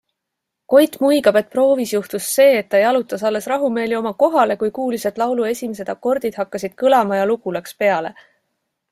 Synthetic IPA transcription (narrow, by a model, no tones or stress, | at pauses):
ko̞jt̪ˑmujɡ̥ɑbe̞t̪̚pro̞ːvisjuht̪usːe̞ːt̪ːɑejɑlut̪ːˑɑsɑlːe̞srɑɦume̞ːlio̞mɑko̞ɦɑle̞kujkuːlise̞d̪̥lɑwlue̞sʲimes̬e̞d̪̥ɑkːˑo̞rd̪̥id̪̥hɑkːɑsid̪̥kɯlɑmɑjɑluɡulɑkspe̞ɑle̞